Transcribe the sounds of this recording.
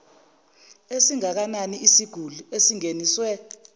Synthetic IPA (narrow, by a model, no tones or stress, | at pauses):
esiŋak̬ananiisiɡ̥ʱuluesiŋeniːswɛ